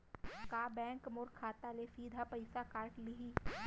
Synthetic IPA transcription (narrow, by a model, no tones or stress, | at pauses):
kaːbɛ̃ːŋkmoːɾkʰaːt̪alesiːd̪ʱapɐɪsakaːɾʈlɪɦiː